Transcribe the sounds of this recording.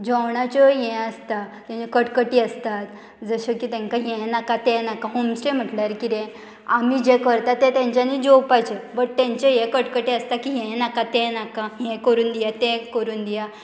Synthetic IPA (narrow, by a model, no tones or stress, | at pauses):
d͡ʑɔwɳat͡ɕəjɛ̃əst̪at̪ãɲekəʈkəʈiːəst̪at̪ | d͡zəɕəkiːt̪ɛ̃ŋkaɦɛ̃nakat̪ɛ̃nakaɦomsʈem̤əʈljaɾkid̪ẽ | amid͡ʑekəɾt̪at̪ːẽt̪jãɲt͡ɕaniːd͡ʑowpajt͡ɕebəɽt̪ɛ̃ɲt͡ɕejekəʈkəʈiəst̪akiɦɛ̃nakat̪ɛ̃nakajɛ̃kəɾuːnd̪ijat̪ɛ̃kəɾuːnd̪ija